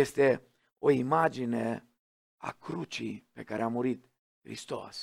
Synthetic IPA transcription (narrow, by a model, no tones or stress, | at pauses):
jest̪e̞ | o̞imad͡ʒine̞ | a̰kɾut͡ʃḭpe̞kaɾʔeamuɾit̪ | xɾḭst̪o̞̰s